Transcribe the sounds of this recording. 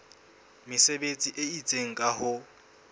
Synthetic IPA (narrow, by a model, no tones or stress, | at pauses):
mɪsebet͡sʼiʔeit͡sʼeŋ̩kʼahʊ